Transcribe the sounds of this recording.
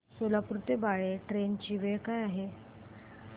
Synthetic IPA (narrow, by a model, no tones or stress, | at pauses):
solapuɾut̪ebaɭeʈɾent͡ɕiːʋeɭkajaɦe